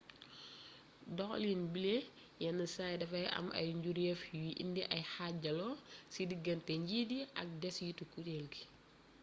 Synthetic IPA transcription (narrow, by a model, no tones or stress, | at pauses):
dɔxlinbile | jɛnɐsajdɐfɐjʔɐ̰mɐ̰jɲɟuɾjɛfjiʔḭndiʔɐjhaɟɐlɔsidiɡɐntɛɲɟidiʔɐk̚dɛsjitukutɛlɡi